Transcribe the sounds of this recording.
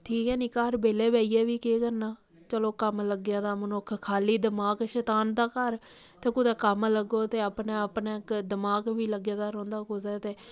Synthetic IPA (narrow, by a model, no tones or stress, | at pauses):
ʈʰiːkɦɛːniːkaɾbeːleːbɛːiːɛːʋiːkeːkənaː | t͡ʃəloːkəmləɡjaːd̪aːmənokʰkʰaːliːd̪əmaːɡʃɛːt̪aːnd̪aːkəɾ | t̪eːkʊd̪ɛːkəmləɡoːt̪eːəpnaːəpnaːkd̪əmaːɡʋiːləɡjaːd̪aːɾɔ̃ːnd̪aːkʊd̪ɛːt̪eː